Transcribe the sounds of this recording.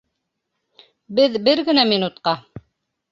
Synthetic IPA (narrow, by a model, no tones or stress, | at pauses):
bɘðbɘɾɡɘ̆næminut̪qɑ